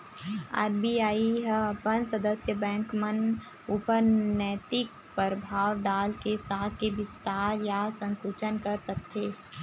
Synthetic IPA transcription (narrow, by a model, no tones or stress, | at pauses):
a̰ːɾbiaːiɦəpənsəd̪əsjəbɛ̃ːŋkmən | ʊpəɾnɛːt̪ɪk | pəɾəbʱaːwɖaːlkesaːt̪̚ʰkeʋɪst̪aːɾjasə̃ŋkut͡ʃənkəɾsək̚t̪ʰeː